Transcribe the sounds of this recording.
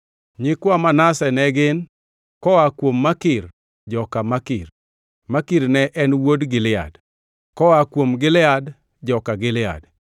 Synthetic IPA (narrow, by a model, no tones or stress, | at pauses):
ɲɪkwamanasɛnɛɡɪn | kɔakwomːakɪr | d͡ʒɔkamakɪr | makɪɾnɛʔɛnwodɡɪlɪa̰d | kɔakwomɡɪlɪad | d͡ʒɔkaɡɪlɪa̰d